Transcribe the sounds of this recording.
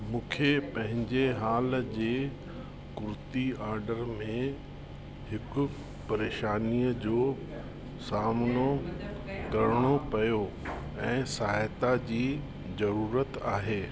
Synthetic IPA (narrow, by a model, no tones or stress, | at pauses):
mũːkʰepɐ̃ɦɪ̃ɲd͡ʑeɦaːld͡ʑeː | kʊɾɪt̪iaːɾɖəɾmẽ | hɪkʊ̆ | pɐɾeːʃaːniːəd͡ʑoː | saːmno | kɐɾɪɽ̃opɐjo | ɛ̃ːsaɦajt̪ad͡ʑiː | zɐɾuːɾət̪aːɦeː